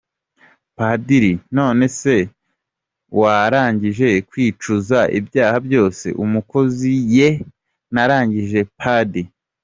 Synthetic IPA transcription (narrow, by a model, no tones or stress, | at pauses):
padiɾino̞ːne̞se̞ | waɾaːɲɟiʒe̞kwiːt͡ʃuzaʔḭbjaːhabjo̞ːse̞̰ʔumuko̞zije | naɾaːɲɟiʒe̞pʰadi